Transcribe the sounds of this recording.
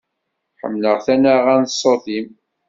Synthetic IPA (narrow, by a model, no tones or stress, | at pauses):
ħə̰mːləʁθænaʁænsˤːoθim